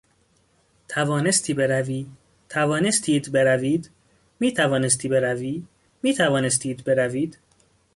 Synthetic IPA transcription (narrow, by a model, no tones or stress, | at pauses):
t̪ʰævɒːne̞st̪ʰiːbe̞ɾæviː | t̪ʰævɒːnest̪ʰiːd̪be̞ɾæviːd̪ | miːt̪ʰævɒːnest̪ʰiːbe̞ɾæviː | miːt̪ʰævɒːne̞s̬t̪ʰiːd̪be̞ɾæviːd̪̥